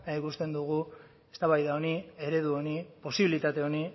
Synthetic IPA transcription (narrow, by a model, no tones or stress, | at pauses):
naikust̪e̞nd̪uɣu | e̞st̪aβajðaonie̞ɾe̞ðuo̞nipo̞siβilit̪at̪e̞o̞ni